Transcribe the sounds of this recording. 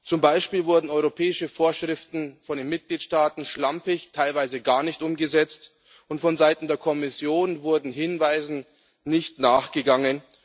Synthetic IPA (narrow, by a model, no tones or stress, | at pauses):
t͡sʊmbaɪʃpiːlvʊɐdn̩ɔʏʁopʰɛːɪʃəfoːɐʃʁ̥ɪftn̩fɔndeːnmɪt̚ɡ̥liːtʃtaːtn̩ʃlampɪçtʰaɪlvaɪzəɡaːɐnɪçtʔʊmɡəzɛt͡st | ʔʊntfɔnzaɪtn̩deːɐkʰɔmɪsjoːnvʊɐdn̩ɦɪnvaɪzn̩ | nɪçtnaːχɡ̥əɡaŋən